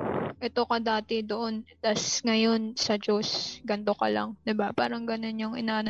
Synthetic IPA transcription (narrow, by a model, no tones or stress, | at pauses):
ʔɛt̪o̞kɐd̪aːt̪ɛd̪oʔo̞nt̪asŋɐjo̞nsɐd͡ʒosɡɐnt̪o̞kɐ̰lɐ̰ŋd̪ɪbapaːɾɐŋɡɐno̞njoŋɪnaːʔn